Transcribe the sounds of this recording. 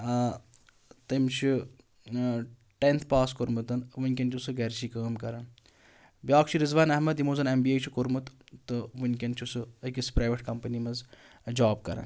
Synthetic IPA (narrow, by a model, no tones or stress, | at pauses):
t̪ɐmt͡ʃʰi | ʈent̪ʰpaːskoɾmɨt̪ɐnʋɨnʲkʲɐnt͡ʃʰusɨɡɐɾt͡ʃʰiːkəːmkɐɾɐn | bʲjaːkt͡ʃʰiɾizʋaːnɐɦmɐd̪imoːzɐnembiːeːt͡ʃʰikuɾmɨt̪t̪ɨʋɨnʲkʲɐnt͡ʃʰusɨɐkispɾaːjʋeʈkɐmpənimɐz | d͡ʒaːb̚kɐɾa̰ːn